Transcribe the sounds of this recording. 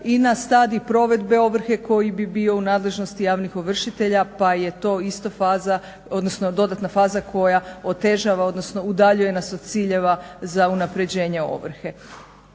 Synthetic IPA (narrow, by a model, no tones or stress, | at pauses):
inast̪aːd̪ipɾo̞ʋe̞d̪be̞o̞ʋr̩xe̞ko̞jibibiːo̞unaːd̪le̞ʒno̞st̪ijaːʋnixoʋr̩ʃit̪e̞ʎapaje̞t̪o̞ist̪ofaːza | o̞d̪no̞sno̞d̪o̞d̪at̪nafaːzakʰo̞jao̞t̪e̞ʒaʋao̞d̪no̞sno̞ud̪aʎuje̞nasod̪̚t̪siːʎe̞ʋazaunapɾe̞d͡ʑe̞ːɲe̞o̞̰ʋr̩xe̞